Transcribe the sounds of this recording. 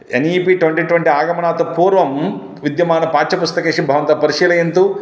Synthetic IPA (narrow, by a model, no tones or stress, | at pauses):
eniːpiːʈʋɐɳʈiːʈʋeɳʈiaːɡɐmɐɳaːt̪upuːɾʋɐm | ʋid̪jɐmaːnɐpaːt͡ʃɐpust̪ɐkeːʂibʱɐʋɐnt̪ɐpɐɾiʂiːlɐjɐnt̪u